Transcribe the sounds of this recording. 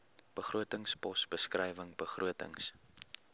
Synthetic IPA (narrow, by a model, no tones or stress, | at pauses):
b̥əχruətəŋspɔsbəskrɛjvəŋb̥əχruətə̰ŋs